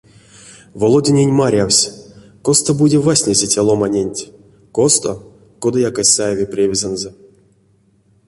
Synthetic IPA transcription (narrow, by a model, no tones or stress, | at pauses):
volˠodʲinʲenʲmaɾʲawsʲ | kost̪obudʲevasʲnʲezʲetʲelˠomanʲenʲtʲ | kost̪o | kod̪ɨjakasʲajevʲeprʲevʲizanzɨ